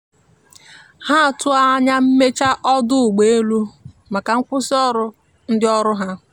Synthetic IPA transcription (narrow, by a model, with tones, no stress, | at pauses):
ha˦˨tʊ˦a˦ɲa˦m̩˦me˦t͡ʃa˦ʔɔ˦dʊ˦ʊ˨ɡ͡be˨e˦lu˦ | ma˨ka˨ŋ̩˦kʷʊ˦sɔ˦ɾʊ˦ | n̩˦dɪ˦ɔ˦ɾʊ˦ɦa˦